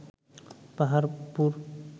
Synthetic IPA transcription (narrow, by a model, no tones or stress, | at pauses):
paɦaɾpuɾ